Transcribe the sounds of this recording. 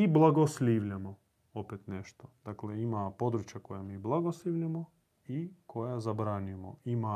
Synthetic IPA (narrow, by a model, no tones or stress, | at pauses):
iblˠaɡoslʲiːʋʎamo | opet̪neʃt̪od̪̥akleimapo̞d̪ɾut͡ʃjakojamiblˠaɡosliʋʎamo | ikʰo̞jazabɾaɲujemo̰ima